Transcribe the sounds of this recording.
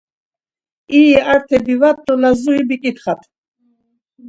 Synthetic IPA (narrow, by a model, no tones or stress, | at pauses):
iaɾt̪ʰɛbivat̪̚ːɔlazuibikʼit̪χat̪ʰʼ